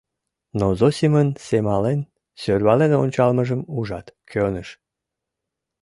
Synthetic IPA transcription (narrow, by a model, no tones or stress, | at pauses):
nozosimənsemɑlen | sørβɑlenonʲt͡ɕɑlməʒəmuʒɑt̪kʰønəʃ